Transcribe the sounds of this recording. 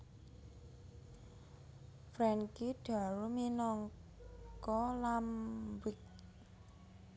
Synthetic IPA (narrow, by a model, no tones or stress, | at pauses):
fɾɛŋkiɖ̥a̤ɾuminɔŋ | kɔlambɪk̚